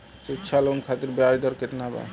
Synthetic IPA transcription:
sutːʃʰalonkʰat̪iɾbeajd̪ɔɾket̪naba̰

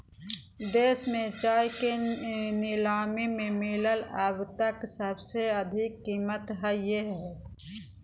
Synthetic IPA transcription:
d̪eːsmẽt͡ʃaːjkenɪlaːmimẽmɪlələbt̪əksəbseɐd̪ʱɪkːiːmət̪ɦəjeɦɛː

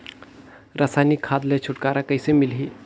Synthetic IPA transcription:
ɾəsanikʰad̪let͡ʃʰuʈkaɾakəjsemilɦi

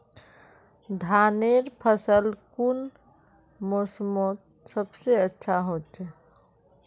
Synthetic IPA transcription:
d̪ʱaːneɾpʰəsəlkun | mosmot̪ | səbseətːʃʰaɦotʰɛ

